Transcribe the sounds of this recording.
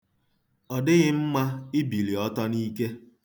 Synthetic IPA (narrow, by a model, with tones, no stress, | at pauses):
ɔ˨dɪ˦ɣɪ˦m̩˦ma˦ɪ˦bi˨li˨ɔ˦tɔ˦niː˦ke˦